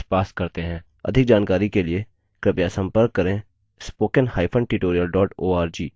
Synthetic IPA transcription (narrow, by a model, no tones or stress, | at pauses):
spaːskɐɾt̪eɦɛ̃ː | ɐ̰d̪ʱɪk̚d͡ʒaːnkaːɾikelie | kɾɪpjasə̃mpəɾkːɐɾẽ | spoːkənhaːɪpʰə̃ɳɖʈɪʈoːɾijəlɖɔːʈoːaːɾd͡ʒiː